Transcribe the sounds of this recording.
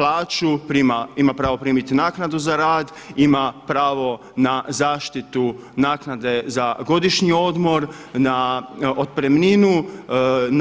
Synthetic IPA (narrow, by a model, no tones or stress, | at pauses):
laːt͡ʃupɾiːmaimapɾaːʋo̞pɾiːmit̪inaːknad̪uzaɾaːd̪ | imapɾaːʋo̞ | nazaːʃt̪it̪u | naːknad̪e̞zaɡo̞d̪iʃɲio̞d̪mo̞ɾnaod̪̚pɾemninu | n